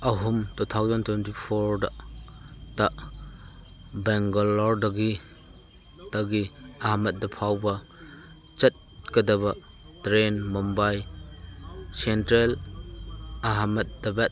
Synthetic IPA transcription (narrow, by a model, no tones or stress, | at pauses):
ɐɦumtut̪ʰawzɐntʰwentipʰoɾdɐ | tɐʔ | bɛŋɡalɔɾdɐɡi | tɐɡiɐɦamɐt̚dɐpʰawbɐ | t͡ʃɐt̚kɐdɐβɐ | tɾenmɔmbaj | sentɾel | ɐɦamɐt̚dɐbɛt̚